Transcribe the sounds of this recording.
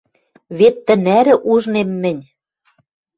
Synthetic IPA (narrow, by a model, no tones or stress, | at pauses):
βet̪ːɘ̆næɾɘ̆ʔuʒnemːɘ̆nʲ